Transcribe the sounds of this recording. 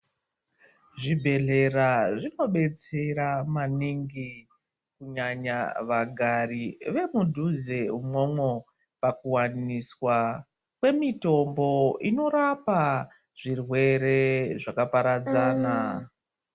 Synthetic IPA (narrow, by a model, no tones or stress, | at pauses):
ʐibʱe̞ɮe̞ɾaʐino̞ɓe̞t͡se̞ɾamaniŋɡi | kuɲaɲaʋaɡʱariʋe̞mudʱuzeumomwo | pakuwaniswa | kwe̞mito̞mbo̞ino̞ɾapa | ʐ̥irwe̞ɾe̞ʐakapaɾad͡zaːna